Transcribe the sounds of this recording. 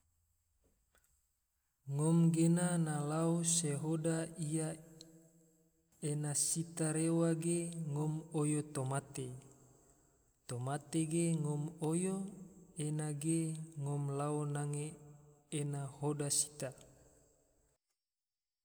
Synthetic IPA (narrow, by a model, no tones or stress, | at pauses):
ŋɔmɡenanalaoseɦodaija | enasit̪aɾewaɡeŋɔmojot̪omat̪e | t̪omat̪eɡeŋɔmojoenaɡeŋɔmlaonaŋeː | nahodasi̥t̪a